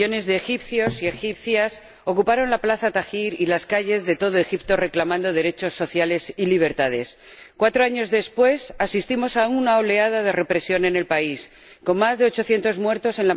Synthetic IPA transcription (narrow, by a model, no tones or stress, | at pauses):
o̞ne̞zðeːxipθjo̞sie̞xipθjas | o̞kupaɾo̞nlaplaθat̪axiɾilaskaʝe̞zðe̞t̪o̞ð̞o̞e̞xip̚t̪o̞re̞klamãnd̪o̞ð̞e̞ɾe̞t͡ʃo̞sːo̞θjale̞siliβ̞e̞ɾt̪að̞e̞s | kwat̪ɾo̞aɲo̞zðe̞spwe̞sasist̪imo̞saunao̞le̞að̞að̞e̞re̞pɾe̞sjo̞ne̞ne̞lpais | ko̞nːazðe̞ot͡ʃo̞θje̞nt̪o̞zmwe̞ɾt̪o̞se̞nla